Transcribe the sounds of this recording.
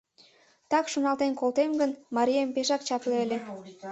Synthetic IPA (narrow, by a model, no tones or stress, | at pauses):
t̪ɑkʃonɑlt̪enkolt̪emɡənmɑɾʲiempeʃɑk̚t͡ɕɑpleəlʲe